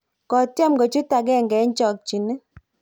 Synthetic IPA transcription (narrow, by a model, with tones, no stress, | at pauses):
kɔ˨tja˦mɡɔ˨t͡ʃu˦ta˨ɡɛ˦˨ŋɡɛ˨˦ɲ˦t͡ʃɔ˨k̚t͡ʃi˨nɪ˦